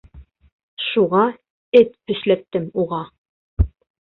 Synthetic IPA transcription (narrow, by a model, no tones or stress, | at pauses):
ʃuʁɑ | ɘt̪bɵ̆ʃlæp̚t̪ɘmuʁɑ